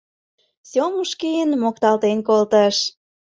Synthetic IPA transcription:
somuʃkijənmokt̪ɑlt̪enkolt̪əʃ

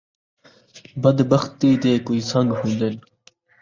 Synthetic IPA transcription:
bəd̪bəxt̪iːd̪eːkuiːsə̃ŋɡɦũːnd̪en

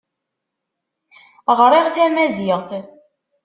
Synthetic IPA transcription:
ʁɾˤeʁθæmæziʁθ

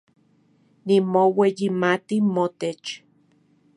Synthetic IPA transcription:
nimowejimat̪imot̪et͡ʃ

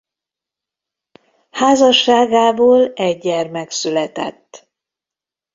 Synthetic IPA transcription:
haːzɒʃːaːɡaːboːlɛɟːɛrmɛksylɛt̪ɛ̰t̪ː

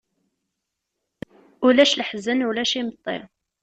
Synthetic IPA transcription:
ulæʃləħzənulæʃimət̪ˤːḛ

